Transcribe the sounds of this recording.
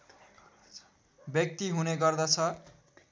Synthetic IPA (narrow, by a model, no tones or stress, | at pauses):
bjʌk̚t̪iɦuneɡʌrd̪ʌt͡sʰʌ